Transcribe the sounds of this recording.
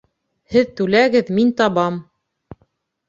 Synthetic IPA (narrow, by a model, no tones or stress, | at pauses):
hɘðt̪ʉlæɡɘðmint̪ɑβɑm